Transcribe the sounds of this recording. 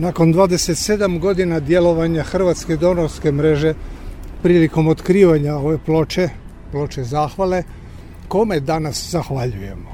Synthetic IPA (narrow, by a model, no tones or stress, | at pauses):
nako̞nd̪ʋaːd̪eset̪se̞d̪amɡo̞d̪inad̪je̞lo̞ʋaɲaxr̩ʋat̪ske̞id̪o̞noɾske̞mɾe̞ʒe̞pɾiːliko̞mot̪kɾiːʋaɲao̞ʋe̞plo̞t͡ʃe̞ | plo̞t͡ʃe̞zaːxʋale̞ | ko̞me̞d̪anaszaxʋaʎuje̞mo